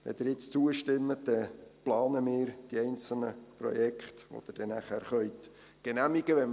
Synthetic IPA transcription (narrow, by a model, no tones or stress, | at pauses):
ʋɛ̰d̥̪ɪɾjɪt͡st͡suəʃtɪmːət̚dɛplɑːnəmɪːɾd̥iɛjnt͡səlməprɔ̰jɛkχt̪ʋo̰d̥̪ərd̥ɛnæχæɾχœʏt̪ | ɡ̥enæmiɡ̥əʋɛn